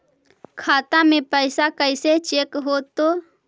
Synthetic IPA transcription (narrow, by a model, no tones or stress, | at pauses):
kʰaːt̪amẽpəɪsakəɪset͡ʃeːkɦoːt̪ːoː